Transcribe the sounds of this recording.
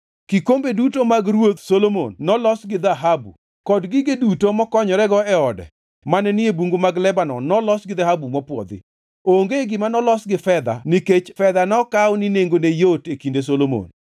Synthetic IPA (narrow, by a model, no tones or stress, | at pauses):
kikombedutomaɡɾwot̪solomo̰nːɔlɔsɡɪd̪aɦabṵ | kɔdɡɪɡɪdutomɔkɔɲɔɾɛɡɔɛɔdɛ̰ | manɛnɪebuŋɡomaɡlɛbanɔnɔlɔsɡɪðaɦabumɔpwɔ̰d̪ɪ̰ | oŋɡeɡɪmanɔlɔsɡɪfɛd̪a̰niket͡ʃfɛd̪anɔkawnineŋɡonejotekindes̬olomo̰n